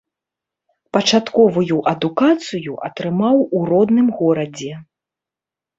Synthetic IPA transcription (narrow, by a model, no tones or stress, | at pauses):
pɐt͡ʂat̪kɔvujuʔɐd̪ukat̪sɨjuʔɐt̪ɾɨmawuɾɔd̪nɨmɣɔɾɐd͡zʲɛ